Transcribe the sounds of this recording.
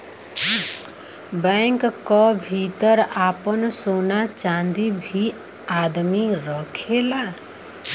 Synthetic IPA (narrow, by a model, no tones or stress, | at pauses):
bɛ̃ːŋkkːɔbʱiːt̪əɾaːpənsoːnat͡ʃãːnd̪ibʱi | aːd̪miɾəkʰelaː